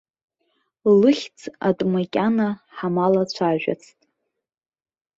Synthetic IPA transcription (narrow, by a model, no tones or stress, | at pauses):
lɨχʲt͡sʰa̰tʼmakʲʼanaħamalat͡ɕʷʰaʒᶣa̰t͡sʰtʼ